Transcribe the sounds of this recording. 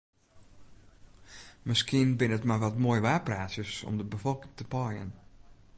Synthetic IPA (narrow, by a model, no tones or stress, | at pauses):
məskiənbɪnətmajʋɔtmoːjʋaːpraːsjəsɔ̰mdəbəfɔlˠkɪ̥ŋtəpɔjə̰n